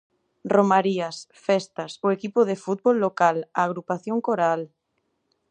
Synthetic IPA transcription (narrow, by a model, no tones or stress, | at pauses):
romaɾiasfɛst̪asoekipoðefut̪̚bolːokalaːɣ̞ɾupaθjoŋkoɾal